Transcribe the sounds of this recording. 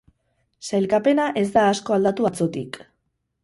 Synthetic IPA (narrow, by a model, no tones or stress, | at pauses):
sajlkape̞naʔe̞zd̪aːsko̞ald̪at̪uat͡so̞t̪ik